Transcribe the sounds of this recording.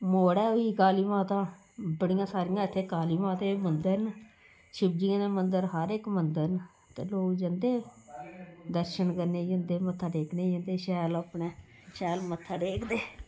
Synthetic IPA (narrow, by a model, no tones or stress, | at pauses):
moːɽɛːoiːkaːliːmãːt̪ãː | bəɽijãːsaːɾɪjãːɪt̪ʰːeːkaːliːmãːt̪eːmənd̪əɾn | ʃɪb̚d͡ʒiːneːmənd̪əɾɦəɾekmənd̪əɾn | t̪eːloːɡd͡ʒənd̪eː | d̪əɾʃənkəɾneːd͡ʒənd̪eːmət̪ʰːaːɖeːkʰneːd͡ʒənd̪eːʃɛːləpɳeː | ʃɛːlmət̪ʰːaːɖeːkd̪eː